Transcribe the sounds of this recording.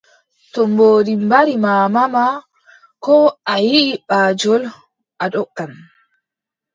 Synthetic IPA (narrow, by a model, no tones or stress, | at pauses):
tɔmboːɾimbaɾimaːmama | kɔajiʔːɓaːd͡ʒɔl | ʔaɗɔkːan